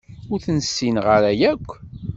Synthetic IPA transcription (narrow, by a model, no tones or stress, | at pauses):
ʊɾθənsːinʁəɾæjækʷː